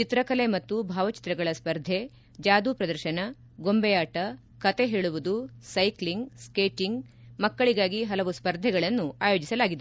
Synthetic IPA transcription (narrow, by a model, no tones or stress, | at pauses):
t͡ʃit̪ɾɐkɐlemɐt̪ːubʱaːʋɐt͡ʃi̥t̪ɾɐɡɐɭɐspɐɾd̪ʱe̞ | d͡ʒaːd̪upɾɐd̪ɐɾʃɐnɐ | ɡo̞mbɛjaːʈɐ | kɐt̪eɦeːɭuʋud̪usɐjkliŋɡskeːʈiŋɡ | mɐkːɐɭiɡaːɡiɦɐlɐʋuspɐɾd̪ʱːɛɡɐɭɐnːuʔaːjo̞ːd͡ʒisɐlaːɡid̪e